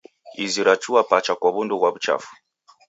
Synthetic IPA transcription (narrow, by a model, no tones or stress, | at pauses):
iziɾat͡ʃuwapat͡ʃakɔβunduɣwaβut͡ʃa̰fu̥